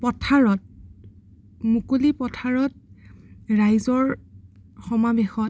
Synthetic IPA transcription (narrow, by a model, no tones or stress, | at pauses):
pɔtʰaɹɔt̚ | mukolipɔtʰaɹɔt̚ | ɹajzɔɹ | xɔmabexɔ